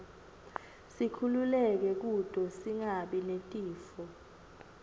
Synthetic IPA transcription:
sikʰululɛk̬ɛk̬ud̥ʼʱɔsiŋaɓinentʼiːfɔ

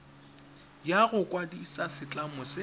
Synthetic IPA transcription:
jaɣʊkʼwadiisasɪt͡ɬʼamʊsɪ

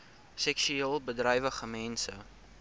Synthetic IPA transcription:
sɛksyeːlˠbədrɐjvəχəmɛnsə

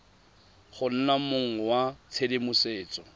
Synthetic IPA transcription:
χʊn̩namʊŋ̩wat͡sʰedemʊseːt͡sʼɔ

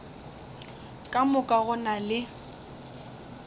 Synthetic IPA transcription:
kʼamʊkʼaɣʊnalɪ

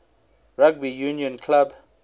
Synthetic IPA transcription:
raɡ̚bijuniɔ̃nkʰlab

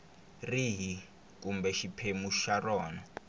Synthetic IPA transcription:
riɦi | k̬umbɛʃipʰemuʃarɔːnɔ

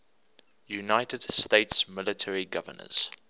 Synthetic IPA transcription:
junaɪtədsteɪtsmɪlətʰəɹiɡʌvə̰nə̰z̥

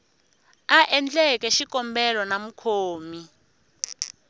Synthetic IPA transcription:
aʔɛnd͡ɮɛkɛʃikɔmbɛlɔnamukʰoːmi

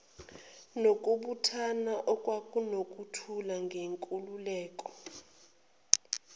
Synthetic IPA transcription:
nokʼuɓutʰanaʔɔkʼwakʼunokʼutʰulaŋɡʱeŋkʼululɛːkʼɔ

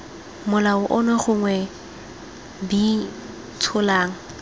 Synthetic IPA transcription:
mʊlaʊʔɔnɛχʊŋwɛ | bi | tʰʊlaːŋ̩

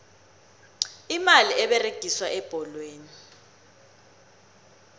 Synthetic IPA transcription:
imaliʔɛɓɛreɡ̥ʱiswaʔɛb̥ʱɔlweːni

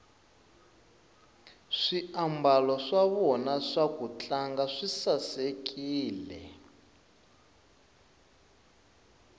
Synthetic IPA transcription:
ʂiambalɔʂaβɔnaʂakut͡ɬʼaŋɡaʂisasekʼiːlɛ̰

